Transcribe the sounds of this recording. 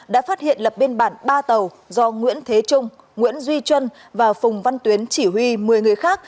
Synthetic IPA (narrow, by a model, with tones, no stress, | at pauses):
ɗa̰ː˧˥faː˦˥t̚hḭ˧˨ənlə˨˩p̚ɓe˧nɓaː˧˩nɓaː˧t̪ə˨˩w | zɔ˧ŋwḭ˧˥ənt̪ʰe˨˦t͡ɕʊ˧ŋ͡m | ŋwḭ˧˥ənzwi˧t͡ɕwə˧n | vaː˨˩wfʊ˨˩ŋ͡mva˧nt̪wi˨˦ənt͡ɕi˧˩hɦwi˧mɨ˨˩əjŋɨ˨˩əjxaː˦˥k̚